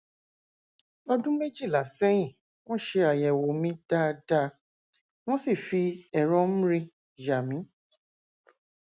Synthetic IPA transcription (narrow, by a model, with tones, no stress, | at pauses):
ɔ˧dũ˦me˦d͡ʒi˦˨la˨sɛ˦j̃ĩ˦˨ | w̃ɔ̃˦˨ʃe˧a˨jɛ˨wo˨˦mĩ˦d̥a˦˧da˦ | w̃ɔ̃˦si˦˨fi˧ɛ˨ɾɔ˧˦m̩˦ɾĩ˧ | d͡ʒa˨mĩ˨˦